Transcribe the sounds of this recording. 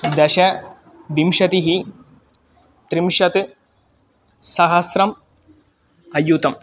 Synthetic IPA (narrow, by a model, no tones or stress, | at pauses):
d̪ɐʃɐ | d̪imʃɐt̪iɦi | t̪ɾimʃɐt̪ɨ | sɐɦɐsɾɐm | ɐjut̪ɐm